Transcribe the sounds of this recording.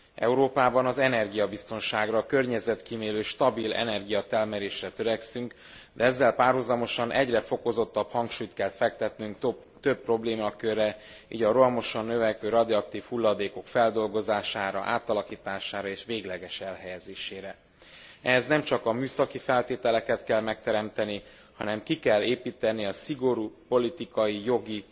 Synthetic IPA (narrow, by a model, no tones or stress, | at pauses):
ɛ̰uɾoːpaːbɒnɒzɛnɛrɡijɒbist̪o̞nʃaːɡrɒkø̞rɲɛzɛt̪kimeːløːʃt̪ɒbilɛ̰nɛrɡijɒt̪ɛlmɛɾeːʃrɛt̪ø̞ɾɛksyŋk | d̪ɛɛzːɛlpaːrɦuzɒmo̞ʃɒnʔɛɟrɛfo̞ko̞zo̞t̪ːɒphɒŋkʃuːjt̪kɛlt̪fɛk̚t̪ɛt̪nyŋk̪ | t̪øpːro̞bleːmɒkørːɛ | iːɟɒɾolmo̞ʃɒnːø̞vɛkʋøːɾɒd̪iɒk̚t̪iːfhulːɒd̪eːko̞kfɛld̪o̞lɡo̞zaːʃaːɾɒ̰ʔa̰ːt̪ɒlɒkiːt̪aːʃaːɾɒeːʃʋeːɡlɛɡɛʃɛlɦɛjɛzeːʃeːɾɛ | ɛznɛmt͡ʃɒkɒmyːsɒkifɛlt̪eːt̪ɛlɛkɛt̪kɛlmɛk̚t̪ɛɾɛmt̪ɛni | hɒnɛmkikɛlːeːpiːt̪ɛniɒsiɡo̞ɾuːpo̞lit̪ikɒjijo̞ɡi